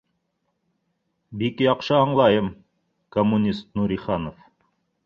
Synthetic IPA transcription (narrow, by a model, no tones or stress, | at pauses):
bikjɑqʃɤɑɴlˠɑjɤm | komːunʲist̪nuɾʲiχɑnof